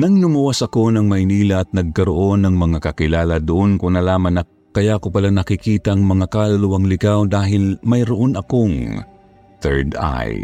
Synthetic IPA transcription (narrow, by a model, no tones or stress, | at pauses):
nɐŋnʊmʊwasɐko̞nɐŋmɐjniːlɐɐt̪̚nɐɡ̚kɐɾoʔo̞nɐŋmɐŋakɐkɪlaːlɐd̪ʊʔonkonɐlaːmɐnɐ | kɐjaʔkopɐlanɐkɪkiːt̪ɐʔɐŋmɐŋakalɐlʊwaŋlɪkawd̪aːɦɪlmɐjɾoʔonɐko̞ŋ | θɛ̰ɹd̪a̰j